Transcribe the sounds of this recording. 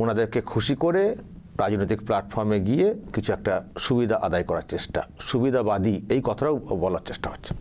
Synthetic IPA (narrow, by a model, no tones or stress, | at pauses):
onad̪eɾkekʰuʃikoɾe | ɾad͡ʑnojt̪ikplaʈfʰɔɾmeɡiekit͡ɕʰuɛk̚ʈaʃubid̪ʱaʔa̰d̪ajkɔɾaɾt͡ɕeʃʈa̰ʃubid̪ʱabad̪iejkɔt̪ʰaɾawbɔlaɾt͡ɕeʃʈaɦotːɕʰe̥